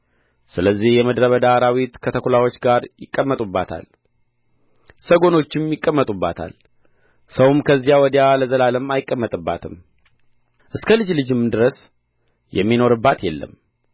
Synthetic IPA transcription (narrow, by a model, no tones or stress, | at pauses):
sɨləzːihjɛməd̪ɾəβəd̪aɾawit̪kʰət̪ʰəkʰulawo̞t͡ʃːɡaɾjɪkʼːəmːət̪ʼubːat̪ʰa̰l | səɡo̞no̞t͡ʃːɪmjɪkʼːəmːət̪ʼubːa̰t̪ʰa̰l | səwmkʰəzːijawɔd̪jaləzəlaləmajɪkʼːəmːət̪ʼɨbːa̰t̪ʰɨm | ʔɨskʰəlɨd͡ʒlɨd͡ʒɪmːɨnd̪ɨɾəs | jɛ̰mːino̞ɾɨbːat̪jɛlːə̰m